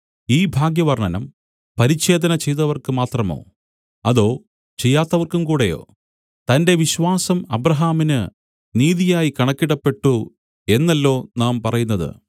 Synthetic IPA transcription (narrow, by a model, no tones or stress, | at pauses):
iːbʱaːɡjɐʋɐrɳɐnɐm | pɐɾit͡ɕːe̞ːd̪ɐnɐt͡ɕejt̪ɐʋɐrkɨmaːt̪rɐmo̞̰ː | ɐðo̞ː | t͡ɕe̞jːaːt̪ːɐʋɐrkumkuːɽejo̞̰ː | t̪ɐnde̞ʋiɕʋaːsɐmɐbrɐɦaːminɨ | niːðijaːjikɐɳɐkːiɽɐpːe̞ʈːu | e̞nːɐlːo̞ːnaːmpɐrɐjun̪ːɐðɨ̰